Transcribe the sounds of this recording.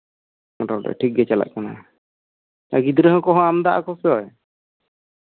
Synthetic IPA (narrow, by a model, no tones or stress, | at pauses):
ɾɔɖɔ̰ʈʰik̚ɡɛt͡ʃɛla̰ʔ̚kana̰ | aɡid̪ɾəɦɔ̃kɔɦɔ̃amd̪aʔa̰kɔsɔj